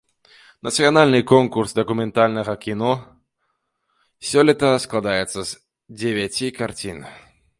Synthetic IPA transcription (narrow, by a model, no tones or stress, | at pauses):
nɐt̪sɨjanalʲnɨkɔnkursd̪ɐkumʲɛnt̪alʲnɐɣɐkʲinɔ | sʲɔlʲit̪ɐsklˠad̪ajɛt̪sːɐz | d͡zʲevʲat͡sʲikart͡sʲḭn